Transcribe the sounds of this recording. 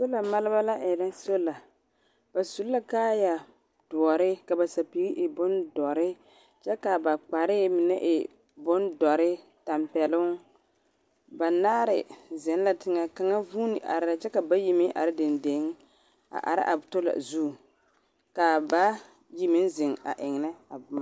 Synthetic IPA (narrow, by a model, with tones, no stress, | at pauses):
so˦la˨ma˦lɪ˦ba˦la˦ʔɪ˨da˦n˦so˦la˨ | b̥a˨su˨lla˦kaː˦ja˨ | d̥ʊ˨ɔ˨ɾɪ˦ka˨ba˨sa˨pi˨˦ɡi˦ʔɪ˨bʊ˦ndɔ˨ɾɪ˦ | t͡ʃɛ˦ka˨ba˨k͡pa˨ɾɪ˦mɪ˨nɛ˦ʔɪ˨ | bʊ˦ndɔ˨ɾɪ˦ | ta˨mpɛ˨lʊ˦ŋ | ba˨naː˦ɾɪ˨zɛ˨n˦la˨tɪ˦ŋa˦ka˦ŋa˦vuː˦nɪ˨ʔa̰˨ɾɪ˦ɾa˦t͡ʃɛ˦ka˨ba˦ji˦mɪ˦ʔa̰˨ɾɪ˦dɪ˨nde˨˦ŋ | a̰˨ʔa̰˨ɾɪ̰˦ʔa˨bto˦la̰˨zu˦˨ | ka˨ba˦ | ji˦mɪ˦nzɪ˨ŋa̰˨ʔɪ˨ŋ˨nɪ˦a˨bʊ˦ma˨˦